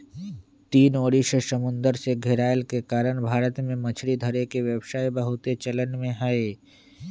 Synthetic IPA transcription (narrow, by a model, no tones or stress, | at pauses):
t̪iːnoːɽiʃəsəmʊ̃nd̪əɾseɡʱeɾaːjəlkekaːɾəɽ̃bʱaːɾət̪mẽmɐ̃t͡ʃʰɾid̪ʱəɾekeʋjəbʃaːebəɦʊt̪et͡ʃələnmẽɦaːeː